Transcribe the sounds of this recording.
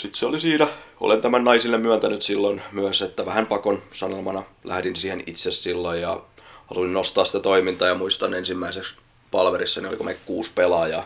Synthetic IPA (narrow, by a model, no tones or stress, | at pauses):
sit̪seolisiːnæo̰lent̪æmænnɑisilːemmyænt̪ænyt̪silːonmyæset̪ːæʋæhæmpɑkonsɑnelmɑnɑlæ̰hdinsiːhenit̪sessilːojjɑhɑ̰lusinnost̪ɑːsi̥t̪æt̪oimint̪ɑːjɑmuist̪ɑnensimːæiseks | pɑlʋeɾisːɑnio̰lḭkomekkuːspelɑjɑ